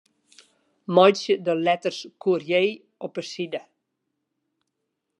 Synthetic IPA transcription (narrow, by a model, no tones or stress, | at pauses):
mɔjsjədəlɛtərskʰuərjeː | ʔɔpəsidə